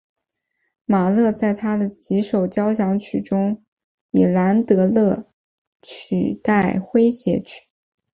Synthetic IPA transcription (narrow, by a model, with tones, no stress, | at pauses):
ma˨˩lɤ˥˧t͡sa˥˩ɪt̪ʰa˥d̪ə˨t͡ɕi˧˥ʂo˨˩ʊt͡ɕjɑ˥ʊɕjɑ˧˥ŋt͡ɕʰy˨˩ʈ͡ʂʊ˥ŋ | i˨˩la˧˥nt̪ɤ˧˥lɤ˥˩ | t͡ɕʰy̰˨˩t̪a˥˩ɪxwe˥ɪɕjɛ˧˥t͡ɕʰy̥˨˩˦